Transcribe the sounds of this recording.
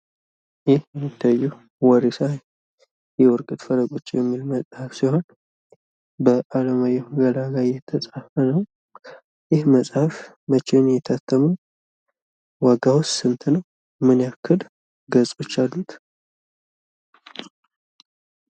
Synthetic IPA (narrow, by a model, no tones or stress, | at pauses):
jɪhjɛmːit̪ʰːajːu | wɔɾisa | jɛwɔɾkʼɨt̪fələɡʼot͡ʃːjɛmːilməsʼhafsiho̞n | bəʔalamajɛɡalaɡajɛt̪ʰəsʼafənəw | jɪhməsʼhaf | mət͡ʃːenjɛt̪ʰat̪ʰːəməw | waɡawɔssɨnt̪ʰnəw | mɨnjakʰːɨl | ɡəsʼo̞t͡ʃːalːut̪ʰ